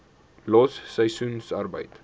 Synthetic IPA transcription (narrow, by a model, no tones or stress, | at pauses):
lɑːsːəjsunsɐrbə̰jt